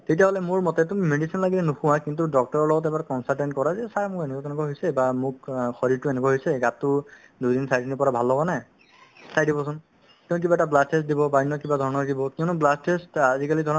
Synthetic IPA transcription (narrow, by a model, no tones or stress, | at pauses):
tetijaɦɔlɛmʊɹmɔtɛtummedisinlaɡilɛnuxʊ̃wakintudɔk̚tɔɹɔɹlɔɡɔtɛbaɹkɔnsaltɛntkɔɹazɛsamʊkenɛkakɛnɛkwaɦojsɛbamʊkxɔɹiɹtʊenɛk̬waɦojsɛɡatːʊ | dujdinsajdinipɔɹabʱalɦɔbɔna | sajdibɔsɔn | kiɔnukibaɛtablastʰesdibɔbajinːɔkibadʱɔɹɔnɔɡibɔkiɔnʊblastʰestazikalidʱɔɹɔ